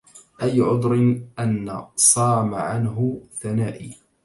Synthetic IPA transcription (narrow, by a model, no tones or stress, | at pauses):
ʔajːʕʊd̪ˤɾɪʔanːasˤɑːmaʕanɦʊθanaːʔiː